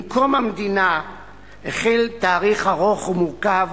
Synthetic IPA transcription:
mkomamd̪ina | eχelt̪aːʁiχaʁoχumuʁkav

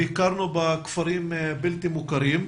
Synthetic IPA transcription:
ikaɾnubakfaɾimbilt̪imukaɾim

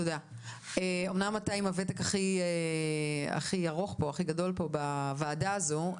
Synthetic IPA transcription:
toda | eo̞mnamːatajimavetekaχie | a̰χiaʁo̞χpo̞aχiɡado̞lpo̞bavaːdaːzo

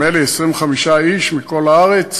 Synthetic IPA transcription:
eliesʁimveχamiʃaiʃmiko̞laaʁet͡s

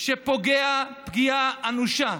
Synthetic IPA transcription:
ʃepoɡeapɡiaanuʃa

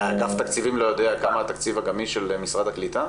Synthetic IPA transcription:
ɡaft̪akt͡sivimlo̞jo̞d̪eakamaːt̪akt͡sivaɡamiʃelmisʁad̪haklit̪a

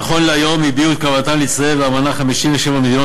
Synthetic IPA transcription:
χo̞nleajo̞mibiut̪̚kavat̪anlit͡saevbeamanaχamiʃiɱveʃevamed̪ino

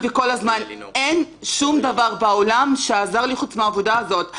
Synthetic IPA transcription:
veko̞lazman | en | ʃumd̪avaʁbaolamʃeazaʁliχut͡smeaːvodaːzo̞t

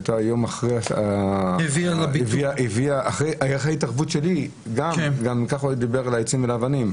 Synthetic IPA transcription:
t̪ajo̞maχʁeaaviaʁabviaʔiviaʔaχʁejajχaitaʁvutʃe̞li | ɡamɡamikaχod̪ibeʁalajt͡simvelaːvanim

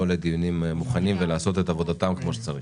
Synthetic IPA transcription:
oled̪ijunimːuχanimvelaːso̞t̪et̪avo̞d̪at̪amkmo̞ʃe̥t͡saʁi

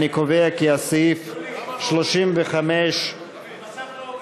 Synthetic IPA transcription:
nikoveakiasifʃloʃimveχameʃ

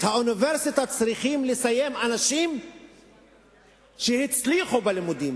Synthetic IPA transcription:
hauniveʁsit̪at͡sʁiχimlesaje̞manaʃim | ʃehit͡sliχubelimud̪im

